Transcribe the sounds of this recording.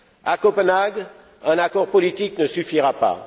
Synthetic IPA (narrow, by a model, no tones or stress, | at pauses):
akɔpənaɡ | ɛ̃nakɔʁpɔlit̪iknəsyfiʁapa̰